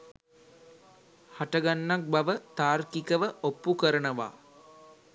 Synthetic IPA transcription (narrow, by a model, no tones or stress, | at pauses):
haʈəɡanːak̚baʋət̪aːrkikəʋəʔopːukəɾənəʋa̰ː